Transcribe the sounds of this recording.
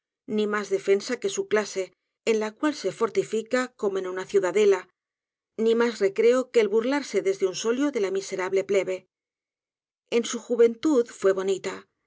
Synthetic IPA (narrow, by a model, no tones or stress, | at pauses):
nĩmazðe̞fe̞nsake̞suklase̞ː | nlakwalse̞fo̞ɾt̪ifikako̞mo̞ẽnunaθjuðaðe̞la | nimasre̞kɾe̞okeːlβuɾlaɾse̞ðe̞zðe̞unso̞ljoðe̞lamise̞ɾaβle̞ple̞βe̞ | e̞nsuxuβe̞nt̪uðfwe̞β̞o̞nit̪a